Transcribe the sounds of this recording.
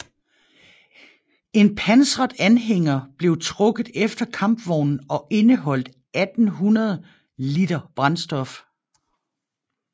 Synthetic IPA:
e̝npʰænsʁɐdˠænɦeŋ̰ɐb̥le̝ʊt͡sʰʁɔ̽ɡ̥ð̩ˠefd̥ɐkʰɑ̈mb̥ʋɒʊnn̩ɒ̽ʔe̝nəɦɒ̽l̰d̥ | ʔæd̥n̩ɦunɐð̞ˠ | lid̥ɐb̥ʁɑ̈nsd̥ɒ̽f

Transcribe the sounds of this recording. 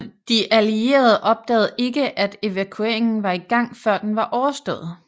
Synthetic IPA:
d̥iʔælie̝̰ːɐð̞ˠəʔɒ̽b̥̚d̥ɛ̰ːð̩ˠe̝ɡ̥əʔæd̥e̝ʋækʰueɐ̰e̝ŋn̩ʋɑ̈iɡ̥ɑ̈ŋ̰fɶɐ̰d̥enʋɑ̈ʔɒʊɐsd̥ɔ̰ːð̞̩ˠ

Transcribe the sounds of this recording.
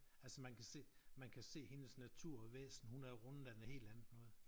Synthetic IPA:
ælsəmænkʰæse̝̰ːmænkʰæse̝̰ːhe̝nəsnæt͡sʰuɐ̰ɒʋḛːsn̩əhunæɐʁɔn̩d̥ænəhe̝̰ːld̥ænð̩ˠnɔ̽ːð̞̩ˠ

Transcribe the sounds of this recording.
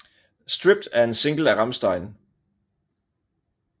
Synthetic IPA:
sd̥ʁib̥d̥æɐe̝nse̝ŋɡ̥l̩æʁɑ̈msd̥ɑ̈ɪn

